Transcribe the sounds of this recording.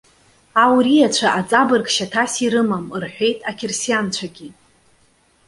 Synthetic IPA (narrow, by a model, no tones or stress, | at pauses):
awɾijat͡ɕʷʰaʔat͡sʼabɨrɡʃatʰasiɾɨmamrħʷᶣe̞jtʼakʲʰɪrsijant͡ɕʷʰaɡʲi